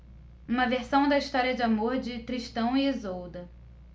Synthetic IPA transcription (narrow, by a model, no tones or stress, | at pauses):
ũmɐveɾsɐ̃w̃d̪ɐiʃt̪ɔɾiɐd͡ʒɪamoɾd͡ʒɪt̪ɾiʃt̪ɐ̃w̃iezowd̪ɐ